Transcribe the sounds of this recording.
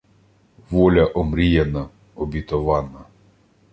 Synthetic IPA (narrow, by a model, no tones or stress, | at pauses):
ʋɔlʲɐʔɔmɾʲijɛnɐ | ɔbʲit̪ɔʋɑnɐ